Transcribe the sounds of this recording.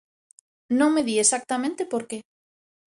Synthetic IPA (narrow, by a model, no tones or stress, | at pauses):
nõŋmeðiesak̚t̪amẽnt̪epoɾke